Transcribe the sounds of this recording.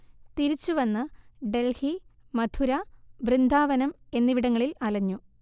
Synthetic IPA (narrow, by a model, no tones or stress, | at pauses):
t̪iɾit͡ɕːuʋɐnːɨɖe̞lhimɐd̪ʰuɾɐʋrind̪ʱaːʋɐnɐme̞nːiʋiɽɐŋːɐɭilɐlɐɲːu